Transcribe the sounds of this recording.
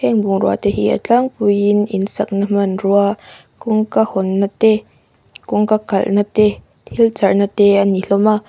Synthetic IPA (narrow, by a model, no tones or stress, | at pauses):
hɛŋbuŋɾua̰t̪ehḭʔa̰t͡ɬaŋpujininsak̚namənrua | kuŋkahɔnːat̪e | kuŋkakalnat̪e | t̪ʰilt͡sarnat̪eaniɬoma